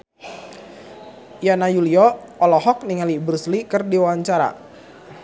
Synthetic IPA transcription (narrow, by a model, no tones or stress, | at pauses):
janajuliɔɔlɔɦɔk̚niŋalibɾuslikɨrdiwawaɲt͡ʃaɾa̰